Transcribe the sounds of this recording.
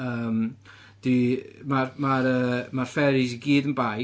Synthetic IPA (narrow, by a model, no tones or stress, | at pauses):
əːm | d̥imarmaɾəːmarfɛɾɪs̬iɡiːdənba